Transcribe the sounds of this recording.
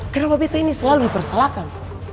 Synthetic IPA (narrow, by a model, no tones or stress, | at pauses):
kanapabit̪ainisəlaludipərsalakan